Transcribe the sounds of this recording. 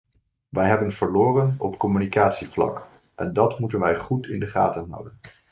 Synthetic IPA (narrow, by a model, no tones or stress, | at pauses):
ʋɛjɦɛbənvəɹloːrənɔpkɔmynikaːtsiflɑ̰k | ʔɛ̰ndɑtmutənʋɛjχutɪ̰ndəχa̰ːtənɦʌ̰wdən